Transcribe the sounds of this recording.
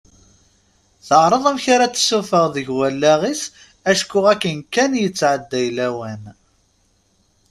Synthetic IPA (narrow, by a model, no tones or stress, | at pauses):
θəʕɾˤəðˤæmçaɾat͡sːsːufəʁðəʝwælːæʁis | æʃkːʊʁækːənkːænjət͡sːʕəd̪ːæjlæwæn